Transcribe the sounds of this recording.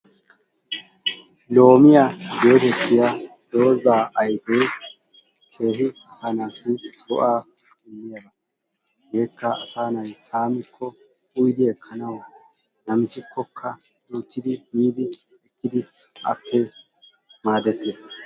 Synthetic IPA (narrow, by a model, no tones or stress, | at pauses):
lo̞ːmɪjajo̞ːt̪ɛt̪ːɪja | d̪o̞ːzaːʔɐjbeː | kʰe̞ːɦɪɐsaːnaːsːɪd̪ɔʔaː | kʊmːɪjɐbɐ | jeːkːɐʔɐsaːnɐjsaːmɪkʰːɔ | ʊjd̪ɪɛkʰːɐnɐw | nɐmɪsɪkʰːɔkʰːɐ | juːt̪ːɪd̪ɪmiːd̪ɪ | ɛkːɪd̪ɪ | ʔɐ̰pːɛ | maːd̪ɛt̪ːeːs